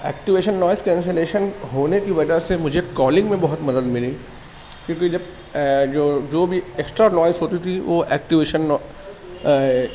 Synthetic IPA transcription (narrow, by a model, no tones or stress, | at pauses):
ɛ̰ːk̚ʈiʋeːʃənːɔːɪskɛ̃ːns̬eleːʃənɦoːnekibɐd͡ʒʱasemʊd͡ʒʱekɔːlɪ̃ŋɡmẽbɐɦʊt̪mɐd̪əd̪mɪli | kjõːkid͡ʒɐb̚ | d͡ʒoːd͡ʒoːbʱieksʈɾanɔːɪzɦoːt̪it̪ʰiʋoʔɛ̰ːk̚ʈiʋeːʃənːɔ